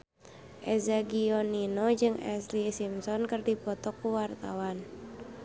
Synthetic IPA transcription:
ʔɛzaɡiɔninɔd͡ʒɨŋɛ̰slisimsɔnkɨrdipɔt̪ɔkuwart̪a̰wan

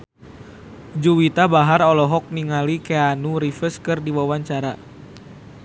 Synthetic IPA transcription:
d͡ʒuwit̪abaɦaɾɔlɔɦɔk̚niŋalikeanuɾifəskɨrdiwawaɲt͡ʃaɾa

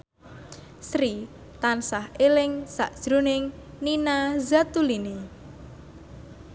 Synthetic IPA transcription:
sɾi | t̪ansahelɪŋsa̰ʔd̥ʒ̥ɾonɪŋ | ninazat̪ulini

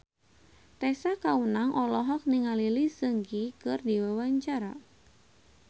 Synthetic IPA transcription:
t̪ɛsakaunaŋʔɔlɔɦɔk̚niŋalilisəŋɡikɨrdiwawaɲt͡ʃaɾa̰

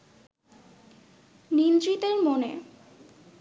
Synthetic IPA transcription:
nind̪ɾit̪eɾmonḛ

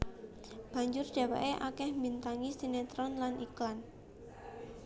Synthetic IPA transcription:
b̥ä̤ɲd͡ʒʊrd̥a̤wa̰ʔeʔakɛhmint̪aŋisinet̪ɾɔnlaniklan

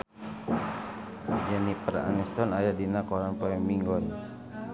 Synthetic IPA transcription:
d͡ʒanipəɾa̰nist̪ɔnajadinakɔɾanpɔɛŋmiŋɡɔn

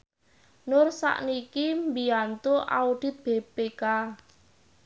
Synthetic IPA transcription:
nʊrsa̰ʔnikimbiant̪uʔa̰uɖ̥ɪ̤t̪̚b̥eb̥eka

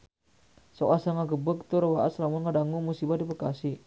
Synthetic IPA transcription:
sokasaŋaɡəbək̚t̪uɾəwaʔaslamʊnkadaŋumusibadipəkasi

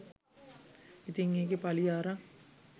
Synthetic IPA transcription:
it̪iŋeːkepaliaːɾa

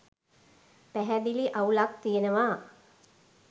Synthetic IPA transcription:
pæɦæd̪iliʔaulak̚t̪ijənəʋaː

